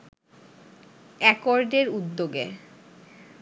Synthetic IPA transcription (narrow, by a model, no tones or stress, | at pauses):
ɛkɔɾɖeɾud̪ːoɡḛ